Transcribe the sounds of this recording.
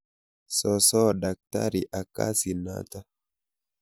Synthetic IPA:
sɔ˨sɔ˦da˨k̚ta̰˦ɾi˨ʔa˨ka̰˦si˨na̰˦ta˦

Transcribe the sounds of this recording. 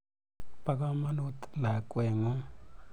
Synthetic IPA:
pa˦ka˦ma˦nu˦t̪la˨kʼwe˨ŋu˦

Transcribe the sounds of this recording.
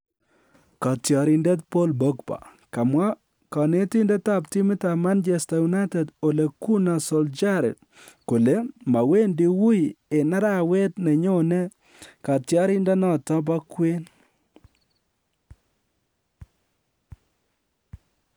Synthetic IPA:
ka˨tjɔ˨ɾi˨nde˦t̚po˦lbo˦kpa̰˨ | ka˨mwa˦ | kɔ˨ne˦ti˦ndɛ˦ta˦˨pti˦mɪ˦ta˨ma˦nd͡ʒe˨sta˨ju˨na˦tɛ˨do˨le˨ku˦na˨so˨ld͡ʒa˦ɾɛ̰˨t̚ | ko˨le˦ma˨we˦ndi˦wu˦je˨na˦ɾa˨we˦tne˨ɲo˦nɛ˦ | ka˨tjɔ˦ɾi˦ndɛ˦nɔ˦˨tɔ˦b̬a˦kwe˦n

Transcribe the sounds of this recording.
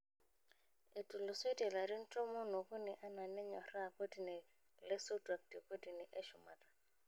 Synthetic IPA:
ɪ˨tʼu˨lʊ˨swe˦dʼɛ˨la˨di˦n̩˦tʼɔ˦mʊ˦nʊ˨kʊ˦nɛ˨ʔa˦na˨nɛ˦ɲɔ˨ra˦˨kʼo˦di˨nɪ˨ | lɪ˦sʊ˦dʼa˨k̚tʼi˨kʼo˦di˨nɪ˨ʔɛ˦ʃʊ˨ma̰ː˨tʼḁ˨

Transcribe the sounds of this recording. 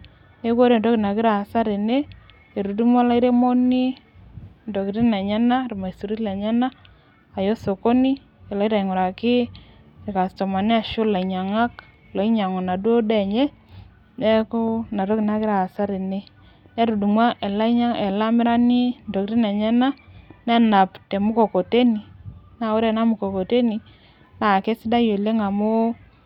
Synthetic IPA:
e˦ko˦ɾe˦˨n˨do˦kɪ˨na˨kɪ˦ɾa˨sa˦ɾi˨ne˦ | e˨ɾu˨di˦mwa˦la˦i˦ɾe˦mo˦ni˦ | ndo˨ki˨ɾi˦nɛ˨ɲɛ˦na˦ɾma˨i˨stu˨ɾi˦tlɛ˨ɲa˦naː˦˨ | jo˦so˨ko˦ni˦ | e˨la˨˦i˦ɾa˨i˨ŋʊ˨ɾa˨kɪ˦ | ɪ˨ka˨stɔ˨ma˨nɪ˦a˨ʃʊ˦la˨i˨ɲa˨ŋa˦k | lɔ˨i˦ɲa˨ŋɔ˨na˨dwo˦dɛ˦˨ɲɛ˦ | nɛ˦kʊ˦na˨ɾo˦kɪ˨na˦kɪ˦ɾa˨sa˦ɾi˨ne˦ | nɛ˦ɾu˨du˨mwa˦ʔɛ˨la˦ɲa˦ɛ˨la˦mɪ˦ɾa˦nɪ˦ndo˨kti˦nɛ˨ɲɛ˦na˦nɛ˦na˨pte˨mʊ˦ko˨ko˨te˦ni˨na˨o˦ɾe˨na˦mʊ˨ko˨ko˨te˦ni˨ | na˨ke˦sɪ˦da˦jo˨le˦ŋa˨mu˦

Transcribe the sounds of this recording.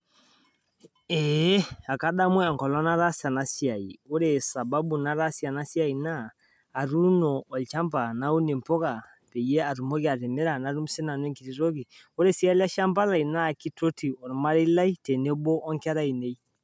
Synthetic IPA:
e˨˦a˨ka˦ɗa˦mwɛ˦a˨ŋkɔ˨lɔ˦na˦ɾa˦sia˨na˦si˦a˨i˨o˦ɾe˨sa˨ba˦bu˨na˦ɾa˦si˦a˨na˦si˦a˦i˨naː˦˨ | ɾu˦nɔ˨ɔ˨lt͡ʃa˦mba˨na˦u˦ne˨m˨po˦ka˨ | pe˨je˦a˨ɾu˨mo˦ki˦a˨ɾe˨me˦ɾa˨na˨˦ɾu˦m˦se˦na˨nwe˦ŋki˨ɾi˨ɾo˦ki˨ | o˦ɾe˦˨si˦a˦li˦a˦ʃa˦mba˦la˨i˨na˦˨ki˦to˦ti˨ɔ˨ɾma˦ɾe˦la˦i˦te˨ne˦bɔ˦ʔɔ˦ŋki˦a˦ɾa˦i˨ne˦i˦

